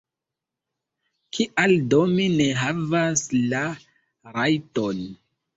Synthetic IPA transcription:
kʰiʔaldomine̞ɦavasla | ɾajton

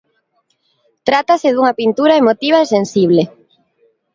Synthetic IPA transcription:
t̪ɾat̪asɪðuŋɐpint̪uɾaemot̪iβ̞aesensiβ̞le

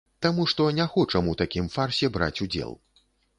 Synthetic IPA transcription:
t̪amuʂt̪ɔnʲaxɔt͡ʂɐmut̪akʲimfarsʲɛbɾa̰t͡sʲud͡zʲɛ̰lˠ

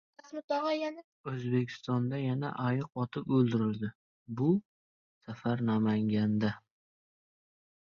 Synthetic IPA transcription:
asmɪt̪ɒʁɑjana | ɵzbe̞kʲʰɪ̥st̪ɒnd̪ajana̰ʔajɨq̚ɒt̪ʰɪpɵlˠd̪ɪɾɪld̪ɪ | bʊ | safaɾnamaŋɡʲand̪a

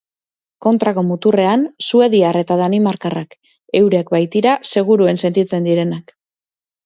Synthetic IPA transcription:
ko̞nt̪ɾako̞mut̪ure̞ansue̞ðiare̞t̪aðanimaɾkarak | e̞wɾek̚bajt̪iɾase̞ɣ̞uɾue̞nse̞nt̪it͡se̞nd̪iɾe̞nak

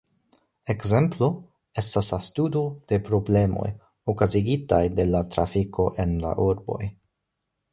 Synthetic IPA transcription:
e̞kze̞mplo̞ | e̞staslastudo̞d̥e̞pɾo̞ble̞mo̞̰j | okaziɡitajde̞latɾafikʰo̞ʔe̞nla̰ʔuɾbo̞̰j

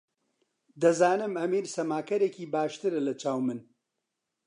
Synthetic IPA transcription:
d̪ɐzaːnɨmɐmiːɾsɐmaːkɐɾekiːbaːʃt̪ɨɾɨlɐt͡ʃaːwmɨn

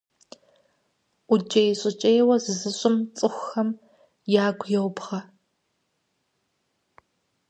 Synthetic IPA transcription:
ʔʷʊd͡ʒɐjɕʼɪt͡ʃʼejwɐzɨzɨɕʼɪmt͡sʼɨxʷɐm | jaːɡʷjɛwpχɐ

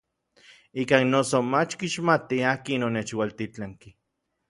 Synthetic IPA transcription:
ikaːnːosomat͡ʃkiʃmat̪iaːkinonet͡ʃwalt̪it͡ɬaŋki

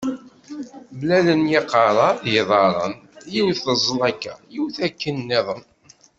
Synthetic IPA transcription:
blælənjɪqɑɾˤɑjiðˤɑɾˤə̰njiwθəzˤːlækːæ̰jiwθækːənːɪðˤəm

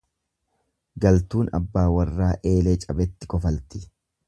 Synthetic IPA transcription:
ɡɐlt̪uːnɐ̰bːaːwɐrːaːʔe̞ːlet͡ʃʼɐbɛt̪ːɪkɔfɐlt̪ɪ̥

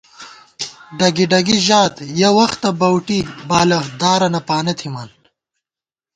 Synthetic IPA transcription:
ɖɐɡiɖɐɡiʑaːt̪jɐwɐxt̪ɐbɐwʈibaːlɐd̪aːɾɐnɐpaːnɐt̪ʰimɐn

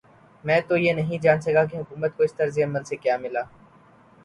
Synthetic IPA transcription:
mɛ̃ːt̪ojenɐɦĩd͡ʒaːnsɐkak̬eɦʊkuːmət̪̚koɪst̪əɾzijaməlsekjaːmɪlaː

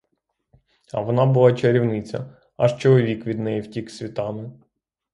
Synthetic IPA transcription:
ɐ̰ʋɔnɑbʊlˠɑt͡ʃeɾʲiwnɪt͡sʲɐ̰ | ɐʃt͡ʃɔlˠɔʋʲikʋʲid̪nɛjiwtʲiksʲʋʲit̪ɑmɪ

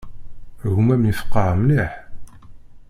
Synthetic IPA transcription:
ɣumæmnifə̥qːɑʁmniħ

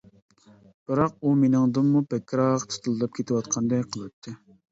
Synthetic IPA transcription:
b̥ɨɾɑq̚umenɨŋd̪ɨmːupʰɛkʲːɾɑqt̪ʰɨ̥t̪ʰɨlˠɨd̪ɑp̚kʲʰet̪ʰɪwɑt̪̚qʰɑnd̪ɛjqʰəlˠɨt̪ʰːɨ

